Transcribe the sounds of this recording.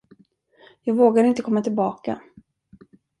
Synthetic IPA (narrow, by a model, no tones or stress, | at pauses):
jɑːɡvoːɡaɾɪnt̪əkʰɔmːat̪ʰɪlbɑːka̰